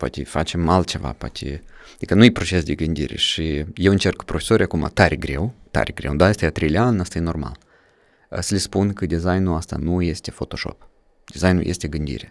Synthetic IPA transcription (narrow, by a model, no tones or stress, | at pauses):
poa̰t̪ʲefat͡ʃe̞malt̪̚t͡ʃe̞va̰poa̰t̪ʰʲḛad̪ikənujepɾo̞t͡ʃe̞sd̪eɡɨnd̪iɾe̞̰ʃijewɨnt͡ʃe̞rkpɾofʲesoɾʲijakuma̰t̪aɾʔeɡɾe̞wt̪a̰ɾeɡɾe̞̰wd̪ajest̪ajat̪ɾejlʲeanast̪ajeno̞rma̰l | əsəlʲispunkəd̪ʲizajnuast̪a̰nuje̞st̪e̞fo̞t̪o̞ʃo̞̰p | d̪izajnṵje̞st̪e̞ɡɨnd̪ḭɾʲe̞